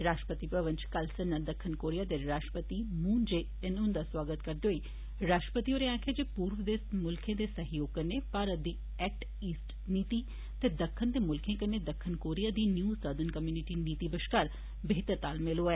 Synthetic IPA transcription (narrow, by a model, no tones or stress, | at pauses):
ɾaːʃʈə̥pət̪ipɾəʋə̃nt͡ʃkɐlsənːad̪ɐkʰːɪnkoːɾijad̪eɾaːʃʈəpət̪imũːnd͡ʒe | ɪnʊ̃nd̪aswaːɡət̪kɐɾd̪oːiː | ɾaːʃʈəpət̪ioːɾeãːkʰed͡ʒepuːɾʋəd̪eːsmʊlkʰẽd̪esɐɦjoːɡ̚kɐɾnːepaːɾət̪̚d̪iː | ɛːk̚ʈ | iːsʈ | niːt̪i | t̪ed̪ɐkʰːənd̪emʊlkʰẽkɐnːed̪ɐkʰːənkoːɾijad̪injuːsəd̪ənkɐmjuːnɪʈiniːt̪ibəʃkaːɾ | bɪɦɪt̪əɾt̪aːlmeloaeː